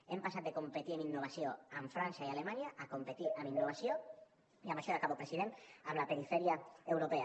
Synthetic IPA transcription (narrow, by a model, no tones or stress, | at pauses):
empasat̪̚d̪ekompet̪ieminːoβ̞asjoaɱfɾansaialemãnjaʔakompet̪iaminːoβ̞asjo | iamaʃoðakaβopɾesiðenaβlapeɾifeɾjaewɾopea